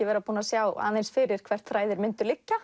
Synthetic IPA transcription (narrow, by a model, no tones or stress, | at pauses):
ɪvɛːɾapuːnasjaːwa̰ːejnsfɪɾɪɾ̥kʰvɛr̥t̪θɾaːjðɪɾmɪnt̪ʏɾlɪcːa